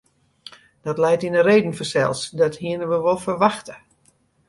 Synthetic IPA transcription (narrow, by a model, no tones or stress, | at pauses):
d̥ɔtlɛjtinəreːdn̩fərsɛ̰lˠsdɔthiənəʋəʋolˠfərʋaxtə